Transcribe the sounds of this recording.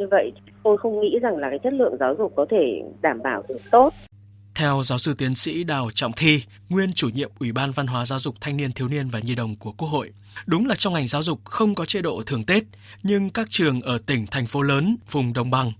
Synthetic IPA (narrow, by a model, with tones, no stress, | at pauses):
ɲɨ˧və̰˧˨j | t̪o˧jxə˧wŋ͡mŋḭ˧˥za˨˩ŋlaː˨˩kaː˨˦jt͡ɕʰə˦˥t̚lɨ̰˧˨əŋzaː˨˦wzʊ˨˩k͡p̚ːɔ˨˦t̪ʰe˧˩ɗaː˧˩mɓaː˧˩wt̪ʰɨ˨˧˩ət̪o˦˥t̚ | t̪ʰɛ˧wzaː˨˦wsɨ˧t̪i˨˦ənsḭ˧˥ɗaː˨˩wt͡ɕɔ̰˧˨wŋ͡mt̪ʰi˧ | ŋwi˧ənt͡ɕu˧˩ɲḭ˧˨əmʔwi˧˩ɓaː˧nva˧nɦwaː˨˦zaː˨˦wzʊ˨˩k͡p̚t̪ʰa˧jŋni˧ənt̪ʰi˨˦wni˧ənvaː˨˩ɲi˧ɗə̰˧˨wŋ͡mku˧˩əku˦˥ək̚ho̰˧˨jʔ | ɗʊ˨˦ŋ͡mlaː˨˩t͡ɕɔ˧wŋ͡mŋa˨˩jŋ̟zaː˨˦wzʊ˨˩k͡p̚xə˧wŋ͡mkɔ˨˦t͡ɕe˧˥ɗo̰˧˨t̪ʰɨ˨˩əŋt̪e˦˥t̚ | ɲɨ˧ŋkaː˦˥k̚t͡ɕɨ˨˩əŋʔəː˧˩t̪ï˧˩ŋ̟t̪ʰɛ˨˩ŋ̟fo˨˦ləː˨˦nvʊ˨˩ŋ͡mɗə˨˩wŋ͡mɓa˧ŋ